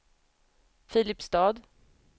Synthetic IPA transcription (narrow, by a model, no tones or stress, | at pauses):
fiːlɪpst̪ɑːd̪